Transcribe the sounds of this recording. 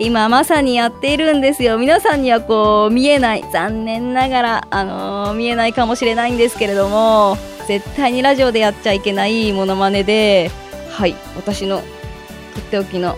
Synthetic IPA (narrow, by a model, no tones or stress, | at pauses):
imamasaɲ̟ijat̪ːe̞iɾɯ̟̃nd̪e̞sɨjo̞mʲinasãɲ̟ːiβako̞ːmʲie̞naḭz̥ãnːẽ̞nːaɡaɾaːno̞̰mʲie̞naikamo̞ɕiɾe̞naĩnd̪e̞sɨ̥ke̞ɾe̞d̪o̞mo̞ | ze̞t̪ːaiɲ̟iɾaʑio̞d̪e̞jat̚t͡ɕaike̞naimo̞no̞mane̞d̪e̞ | hai | βat̪aɕino̞ | kot̪ːeokʲino̞